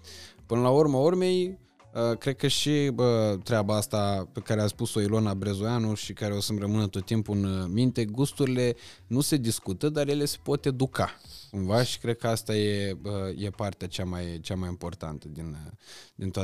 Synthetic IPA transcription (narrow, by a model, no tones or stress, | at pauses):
pɨnəlaurmaurme̞j | əkɾe̞d̪̚kəʃiət̪ɾeabaast̪ape̞kaɾeat̪spuso̞ilo̞nabɾezujanuʃikaɾeo̞sɨnrəmɨnət̪o̞t̪ːimpuɨnmint̪e̞ɡust̪uɾile̞nuse̞d̪iskut̪əd̪arje̞le̞se̥po̞t̪e̞d̪ukakumvaʃi̥kɾe̞d̪̚kəast̪aje̞əje̞part̪eat͡ʃamajt͡ʃamajimpo̞rt̪a̰nt̪əd̪ind̪int̪oa